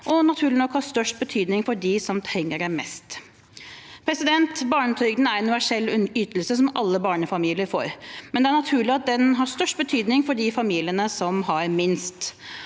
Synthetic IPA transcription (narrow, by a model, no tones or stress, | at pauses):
ʔɔnɑt̪ʰʉːɭɪnɔkhɑʂt̪œʂʈ̚bət̪ʰyːd̪nɪŋfɔɖɪsɔmt̪ʰɾɛŋːəɖæmɛst̪ | pʰɾɛsɪd̪ɛnt̪bɑːɳət̪ʰœɡn̩æɾɛnʉʋæʂɛlːyːt̪əlsəs̬ɔmʔɑlːəbɑːɳəfɑmiːlɪəɾfo̰ːɾmɛnd̪ɛæɳɑt̪ʰʉːɭɪɑt̪̚d̪ɛnɦɑʂt̪œʂʈ̚bət̪ʰyːd̪nɪŋfɔɖɪfɑmiːlɪənəsɔmɦɑɾmɪnst̪